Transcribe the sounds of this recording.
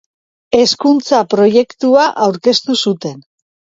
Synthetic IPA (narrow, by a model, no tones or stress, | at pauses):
e̞skunt͡sapɾo̞je̞kt̪uaʔawɾke̞st̪usut̪e̞n